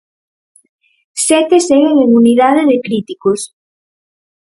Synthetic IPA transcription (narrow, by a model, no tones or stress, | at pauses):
sɛt̪eseŋeŋemuniðaðeðɪkɾit̪ikos